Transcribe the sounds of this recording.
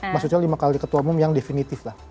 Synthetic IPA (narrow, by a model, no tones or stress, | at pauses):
maksuɲalimakalikət̪uwamʊmjaŋdefinit̪ɪflah